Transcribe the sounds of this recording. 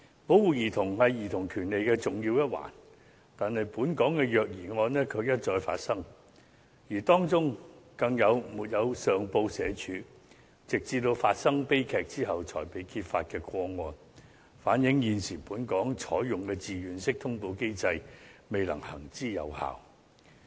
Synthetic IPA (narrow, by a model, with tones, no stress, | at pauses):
po˨˥wwuː˨˩jiː˨˩t̪ʰʊ˨˩ŋhɐ˨jjiː˨˩t̪ʰʊ˨˩ŋkʰyː˨˩nle˨jkɛː˧t͡sʊ˨ŋjiː˧wjɐ˥t̚wa̰ː˨˩n | t̪aː˨nhɐ˨jpuː˨˥nkɔː˨˥ŋkɛː˧jœː˨k̚jiː˨˩ŋɔː˧nnɛː˥kʰɵ˨˧ɥjɐ˥t̚t͡ʃɔː˧jfa̰ː˧t̚sɐ˥ŋ | jiː˨˩t̪ɔː˥ŋt͡sʊ˥ŋkɐ˧ŋjɐ˨˧wmuː˨t̚jɐ˨˧wsœː˨ŋpo˧wsɛː˨˧t͡ʃʰyː˨˧ | t͡sɪ˨k̚t͡siː˧t̪o˧wfaː˧t̚sɐ˥ŋpe˥jkʰɛː˨k̚t͡siː˥ɦɐ˨wt͡ʃʰɔ̰ː˨˩jpe˨˥jkʰiː˧t̚fa̰ː˧t̚kɛː˧kwɔː˧ŋɔː˧n | faː˨˥njɪ˨˥ŋjiː˨˧nsiː˨˩puː˨˥nkɔː˨˥ŋt͡sʰɔ̰ː˨˥jjʊ˨ŋkɛː˧t͡siː˨˧jyː˨˩nsɪ˥k̚t̪ʰʊ˥ŋpo˧wke˥jt͡sɐ˧jme˨jlɐ˨˩ŋhɐ̰˨˩ŋt͡siː˥jɐ̰˨˧wha̰ː˨w